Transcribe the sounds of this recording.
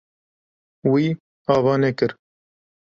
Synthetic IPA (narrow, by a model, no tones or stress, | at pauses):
wiː | ɑːvɑːnɛkɨɾ